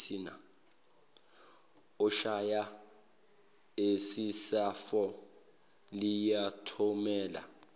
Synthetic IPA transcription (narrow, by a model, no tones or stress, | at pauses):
ina̰ | ɔʃaja | esisafɔ | lijatʰɔmɛːla̰